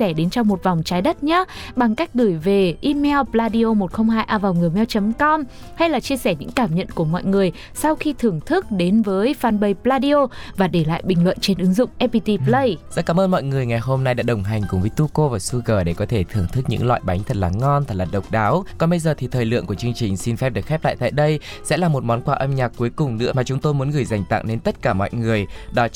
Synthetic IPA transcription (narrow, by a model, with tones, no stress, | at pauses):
ɛ˧˩ɗe˨˦nt͡ɕɔ˧wŋ͡mmo˨˩t̚vwŋ͡mt͡ɕaː˨˦jɗə˦˥t̚ɲaː˨˦ɓa˨˩ŋka˦˥jk̟̚ɣɨ˧˩jve˨˩ʔi˧mɛ˧wplaː˧ɗi˧o˧mo˨˩t̚xə˧wŋ͡mhaː˧jʔaː˧vaː˨˩wŋɨ˨˩əjmɛ˧wt͡ɕə˨˦mkɔ˧m | ha˧jlaː˨˩t͡ɕi˧əsɛ˧˩ɲɨ̰˧˥ŋkaː˧˩mɲə̰˧˨nku˧˩əmɔ̰˧˨jŋɨ˨˩əj | sa˧wxi˧t̪ʰɨ˨˩əŋt̪ʰɨ˦˥k̚ɗe˨˦nvəː˨˦jfaː˨˩nɓə˨˩jplaː˧ɗi˧o˧vaː˨˩ɗe˧˩la̰ː˧˨jɓï˨˩ŋ̟lwə̰˧˨nt͡ɕe˧nʔɨ˨˦ŋzʊ̰˧˨ŋ͡mʔɛ˦˥pi˧t̪i˧plə˧jza̰˧˥kaː˨˦mʔəː˧nmɔ̰˧˨jŋɨ˨˩əjŋa˨˩jɦo˧mna˧jɗa̰ː˧˥ɗə˨˩wŋ͡mɦa˨˩jŋ̟kʊ˨˩ŋ͡mvəː˨˦jt̪u˧ko˧vaː˨˩su˧ɣəː˧˩ɗe˧˩kɔ˨˦t̪ʰe˧˩t̪ʰɨ˨˩əŋt̪ʰɨ˦˥k̚ɲɨ̰˧˥ŋlwa̰ː˧˨jɓa˨˦jŋ̟t̪ʰə˨˩t̚laː˨˩ŋɔ˧nt̪ʰə˨˩t̚laː˨˩ɗə˨˩wk͡p̚ɗaː˨˦wkɔ˨˩nɓə˧jzəː˨˩t̪ʰi˨˩t̪ʰəː˨˩jlɨ̰˧˨əŋku˧˩ət͡ɕɨ˧əŋt͡ɕï˨˩ŋ̟si˧nfɛ˦˥ɗɨ˨˩ək̚xɛ˦˥p̚la̰ː˧˨t̪a̰ː˧˨jɗə˧j | sɛ̰˧˥laː˨˩mo˨˩t̚mɔ˨˦nkwaː˧ʔə˧mɲaː˨˩k̚kːu˨˦jkʊ˨˩ŋ͡mnɨ̰˧˥əmaː˨˩t͡ɕʊ˨˦ŋ͡mt̪o˧jmu˨˦nɣɨ˨˩əjza˨˩jŋ̟t̪a̰˧˨ŋne˧nt̪ə˦˥t̚kaː˧˩mɔ̰˧˨jŋɨ˨˩əjɗɔ˨˦